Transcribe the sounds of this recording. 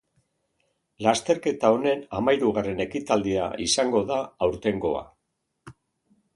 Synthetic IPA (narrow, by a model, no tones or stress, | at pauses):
last̪e̞ɾke̞t̪ao̞ne̞namajɾuɣare̞ne̞kit̪ald̪ia̰isaŋɡo̞ðaːwɾt̪e̞ŋɡo̞a̰